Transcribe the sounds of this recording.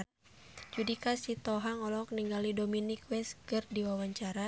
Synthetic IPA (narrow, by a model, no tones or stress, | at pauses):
d͡ʒudikasit̪ɔɦaŋɔlɔkniŋɡalidominikwɛskɨrdiwawaɲt͡ʃaɾa